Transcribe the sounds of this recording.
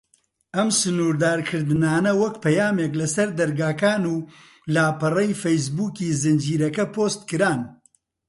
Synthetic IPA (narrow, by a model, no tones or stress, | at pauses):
ɐmsɨnuːɾd̪aːɾkʰɨɾd̪ɨnaːnɐwɐkpʰɐjaːmeːk̬lɐsɐɾd̪ɐɾɡaːkaːnuː | laːpɐrɐjfejs̬buːkiːzɨnd͡ʒiːɾɐkɐpʰoːst̪̚kɨɾaːn